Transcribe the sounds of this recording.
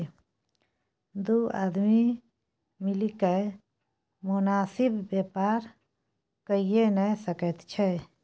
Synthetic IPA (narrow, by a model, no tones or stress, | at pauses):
d̪ua̰d̪mi | milikəj | munaːsibːepaɾ | kəijenəjsəkət̪t͡ʃʰɛj